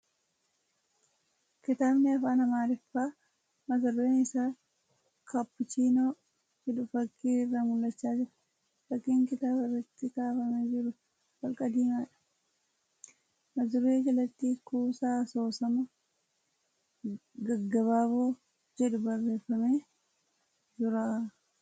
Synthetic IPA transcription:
kɪt̪aːbnɪɐfaːnɐmaːɾɪfːaː | mɐzɐrːeːnɪsaː | kʰɐpːʊt͡ʃiːnoː | hɪᶑʊfɐkːiːrːamʊlːɐt͡ʃːaːd͡ʒɪɾɐ̥ | fɐkːiːŋkɪt̪aːbɪrːɐt̪ːɪkaːfɐmed͡ʒɪɾʊ | wɐlkʼɐd̪iːmaːᶑɐ̥ | mɐzɪɾeːd͡ʒɐlɐt̪ːiːkuːsaːso̞ːsɐmɐ | ɡɐɡːɐβaːboː | d͡ʒɛᶑʊbɐrːe̞ːfːɐmeː | d͡ʒʊɾaː

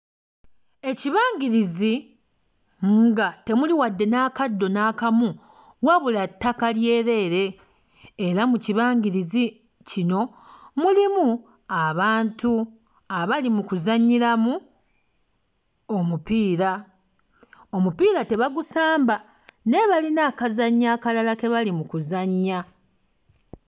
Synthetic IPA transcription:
e̞ciβaːɲɡiɾizi | ŋɡate̞muliwadːe̞naːkad̪ːo̞naːkamu | waβulatːakalje̞ːɾe̞ːɾe̞ː | ɾamuciβaːɲɡiɾizi | cino̞ | mulimu | aβaːntu | aβalimukuzaɲːiɾamu | omupiːɾa | omupiːɾate̞βaɡusaːmba | ne̞βalinaːkazaɲːaːkalalake̞βalimukuzaɲːa

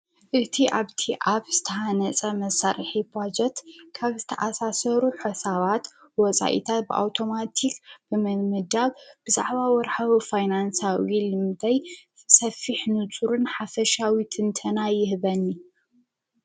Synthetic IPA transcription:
ʔɨt̪ʰiʔaβt̪ʰiʔaβz̥ɨt̪ʰɐhanɐt͡sʼɐmɐsaɾħibad͡ʒɛt̪kʰaβzɨt̪ʰɐʔasasɐɾuħɨsaβat̪wɔt͡sʼa̰ʔḭt̪ʰat̪̚bɨʔa̰wt̪ʰo̞mat̪ʰikb̥ɨmɨmɨd̪aβb̥ɨza̰ʕβawɔɾħawifajnansawilɨmt̪ʰɐjsɐfːiħnɨt͡sʼuɾɨnħafɐʃawit̪ʰɨnt̪ʰɐnajɪhβɐnːi

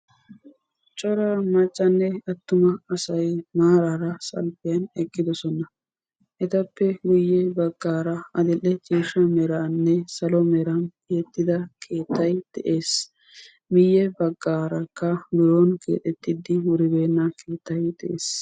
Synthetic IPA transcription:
t͡ʃʼɔɾamɐt͡ʃʼːɐnːɛɐt̪ːʊmɐɐsɐjmaːɾaːɾɐsɐ̰lfɪjɐnɛkʼːɪd̪ɔsɔnɐ | ʔɛt̪ɐpːɛɡʊjːɛbɐɡːaːɾɐɐd̪ɪlːɛt͡ʃʼiːʃɐmɛɾaːnːɛsɐlɔmɛɾɐnkeːt̪ːɪd̪ɐkʰe̞ːt̪ːɐjd̪̥ɛʔeːs | mɪjːɛbɐɡːaːɾɐkːɐbɪɾoːnkʰḛːt̪ʼɛt̪ːɪd̪ɪwʊɾɪbe̞ːnːɐkʰe̞ːt̪ːɐjd̪ɛʔeːs

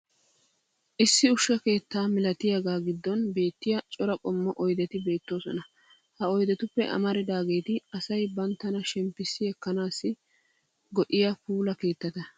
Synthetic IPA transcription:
ʔɪsːɪʊʃːɐke̞ːt̪ːaːmɪlɐt̪ɪjaɡaːɡɪd̪ːɔnbe̞ːt̪ːɪjɐt͡ʃʼɔɾɐkʼɔmːɔʔɔjd̪ɛt̪ɪbe̞ːt̪ːo̞ːsɔnɐ | hɐɔjd̪ɛt̪ʊpːɛ̰ʔɐ̰mɐɾɪd̪aːɡe̞ːt̪ɪɐsɐjbɐnt̪ːɐnɐʃɛmpːɪsːɪɛkːɐnaːsːɪ | ɡɔʔɪjɐfuːlɐke̞ːt̪ːɐt̪ɐ

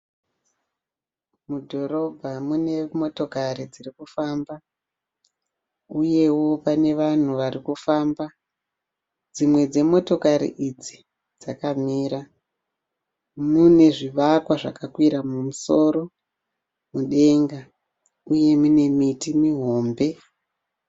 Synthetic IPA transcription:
mudʱo̞ro̞bʱamune̞mo̞to̞kaɾid͡zirikufaːmba | uje̞wo̞pane̞ʋan̤uʋarikufaːmba | d͡zimwe̞d͡ze̞mo̞to̞kaɾḭʔid͡zi | d͡zakamiːɾa | mune̞ʐiʋakwaʐakakwiɾamumuso̞ːɾo̞ | muɗe̞ŋɡa | uje̞mune̞mitimiɦo̞ːmbe̞

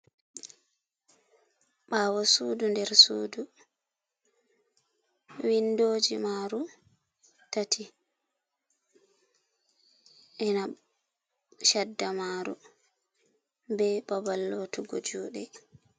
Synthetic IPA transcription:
ɓaːwɔsuːdundɛɾsuːdu | windoːd͡ʒimaɾu | tatʰi | ʔɛna | ʃadːamaːɾṵ | bɛɓabalːoːtuɡo̰d͡ʒuɗɛ

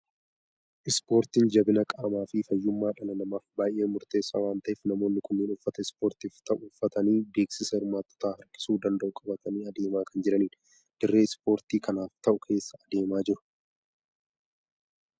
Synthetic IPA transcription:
ʔɪspo̞ːɾt̪iːnd͡ʒɐbɪnɐkʼaːmaːfɪfɐjːʊmːaːᶑɐlɐnɐmaːfbaːjʔe̞ːmʊɾt̪e̞ːsːa̰ːwaːnt̪ɐʔeːfnɐmo̞ːnːɪkʊnːiːnʊfːɐt̪ɐɪspo̞ːɾt̪iːft̪ɐʔʊːfːɐt̪ɐniːbeːksɪsɐɪɾmaːt̪ːɔ̥t̪aːhɐɾkʼɪ̥suːd̪ɐnd̪ɐʔʊkʼɐbɐt̪ɐniːɐd̪e̞ːmaːkɐnd͡ʒɪɾɐniːn | d̪̥ɪrːe̞ːspo̞ːɾt̪iːkʰɐnaːft̪ɐʔʊkʰe̞ːsːɐɐd̪e̞ːmaːd͡ʒɪɾʊ̥

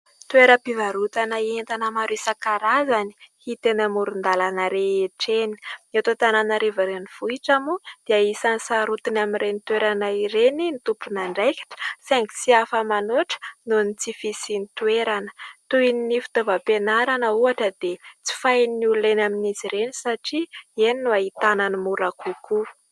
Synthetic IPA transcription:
t̪weɾəpivaɾut̪anəient̪anəmaɾisakaɾazani̥hit̪enamuɾund̪alanəɾeeʈ͡ʂeni̥net̪ot̪ananəɾevaɾeniv̥uiʈ͡ʂamud̪̥eaisanisaɾut̪inamiɾenit̪weɾanaiɾeninit̪upunaɳɖ͡ʐejki̥ʈ͡ʂə̥sɛŋksiafəmanoʈ͡ʂə̥nunit͡sifisinit̪ueɾanə̥t̪uininifi̥t̪ovapenaɾanəuaʈ͡ʂəd̪et͡si̥fajnulenaminiziɾenisaʈ͡ʂieninuaɦit̪ananimuɾakuku

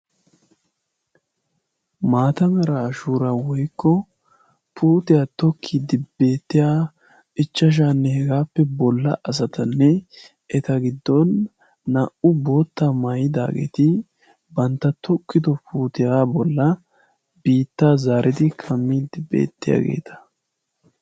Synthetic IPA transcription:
maːt̪ɐmɛɾaʃuːɾɐwɔjkːɔ | pʰuːt̪ɪjaːt̪ɔkʰːiːd̪ɪbe̞ːt̪ːɪjaː | ʔɪt͡ʃːɐʃ̬aːnːɛhɛɡaːpːɛbɔlːɐ̰ʔɐs̬ɐt̪ɐnːɛ | ʔɛt̪ɐɡɪd̪ːɔnː | ɐʔʊboːt̪ːaːmɐjɪd̪a̰ːɡḛːt̪ɪ | bɐnt̪ːɐt̪ʰɔkːɪd̪ɔpʰuːt̪ɪjaːbɔlːɐ | biːt̪ːaːzaːɾʔɪd̪ɪkʰɐmːiːd̪ɪbḛːt̪ːɪja̰ːɡḛːt̪ʰɐ̥

